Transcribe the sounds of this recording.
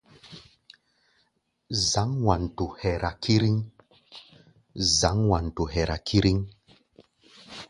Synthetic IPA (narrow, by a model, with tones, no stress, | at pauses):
za˨˦ŋwa˨n˨tu˨hɛ˨ɾa˨kʰi˦ɾi˦ŋ | za˨˦ŋwa˨n˨tu˨ɦɛ˨ɾa˨kʰi˦ɾi˦ŋ